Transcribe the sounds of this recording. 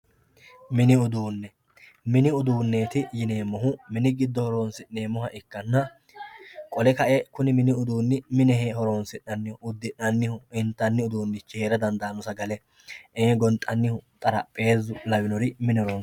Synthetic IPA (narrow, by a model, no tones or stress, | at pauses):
mɪnɪʊd̪uːnːɛ | mɪnɪʊd̪uːnːe̞ːt̪ɪjɪneːmːɔɦʊmɪnɪɡɪd̪ːɔhɔɾoːnsɪʔneːmːɔhɐʔɪkːɐnːɐ | kʼɔlɛkɐʔɛkʊnɪmɪnɪʊd̪uːnːɪmɪnɛɦehɔɾoːnsɪnːɐnːɪʊʊd̪ːɪnɐnːɪhʊɪnt̪ːɐnːɪʊd̪uːnːɪt͡ʃːɛheːɾɐd̪ɐnd̪aːnɔsɐɡɐlɛ | ʔeːɡɔnt̪ʼɐnːɪhʊt̪ʼɐɾɐpʼe̞ːzʊlɐwɪnɔɾɪmɪnɪhɔɾoːn